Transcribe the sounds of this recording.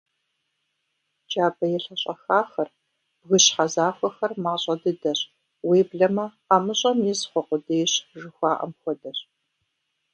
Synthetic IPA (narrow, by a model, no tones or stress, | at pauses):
d͡ʒaːbɐjɛɬɐɕʼɐxaːxɐr | b̥ɣɨɕħazaːxʷɐxɐrmaːɕʼɐdɨdɐɕ | weːbɮɐmɐ | aːmɨɕʼɐmjizχʷɔqʷʊdɐjɕʒɨxʷaːʔɐ̰mxʷɔdɐɕ